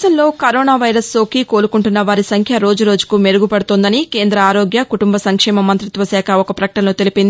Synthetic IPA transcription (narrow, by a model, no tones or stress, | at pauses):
sɐnlo̞ːkɐɾoːnaːʋɐjɾɐso̞ːkiko̞ːɾukuɳʈunːɐʋaːɾisɐŋkʰjɐɾo̞ːd͡ʒuɾo̞ːd͡ʒukume̞ɾuɡupɐɽut̪ond̪ɐnike̞ːnd̪ɾɐaːɾo̞ːɡjɐkuʈumbɐsɐŋkʂɛːmɐmɐnt̪ɾit̪ʋɐsɛːkʰɐɔkɐpɾɐkɐ̥ʈɐnlo̞ːt̪e̞lipind̪i